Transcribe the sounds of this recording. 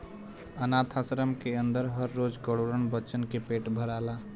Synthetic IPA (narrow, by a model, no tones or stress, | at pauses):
ənat̪ʰasɾəmkeənd̪əɾɦəɾːod͡ʒkəɽoɾənbəːt͡ʃənkepeʈbʱəɾala